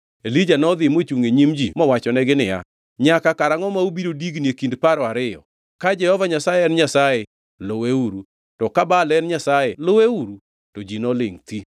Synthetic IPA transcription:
elid͡ʒanɔd̪ɪmot͡ʃuŋeɲimd͡ʒimɔwat͡ʃɔnɛɡɪnɪja̰ | ɲakakaɾaŋɔmaubiɾodiɡnjekindpaɾɔaɾɪjɔ̰ | kad͡ʒɛhɔvaɲasajɛɛnɲasaje | loweuɾu | tɔkabalɛnɲasajeloweuɾu | tod͡ʒinɔlḛŋt̪i

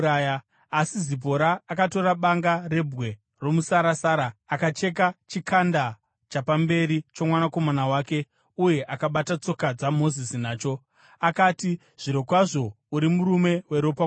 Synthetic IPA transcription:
aja | asizip̬o̞ɾaːkato̞ɾaɓaŋɡare̞bʱɣe̞ | ro̞musaɾasaːɾaakat͡ʃe̞k̬at͡ʃikʰanda | t͡ʃapambe̞ɾit͡ʃomwanako̞manawaːke̞ | uje̞ʔakaɓatat͡so̞kad͡zamo̞zisinaːt͡ʃo̞ | akaːti | ʐ̥iɾokwaʐo̞ | uɾimuɾume̞we̞ɾo̞pa

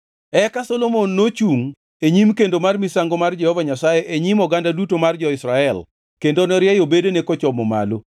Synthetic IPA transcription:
ɛkasɔlomonːot͡ʃuŋ | eɲimkendomarmisaŋɡomard͡ʒɛhɔvaɲasajeʔeɲimɔɡandadutomard͡ʒɔɪsɾaɛl | kendonɔɾjɛjobedenekɔt͡ʃɔmɔma̰lo

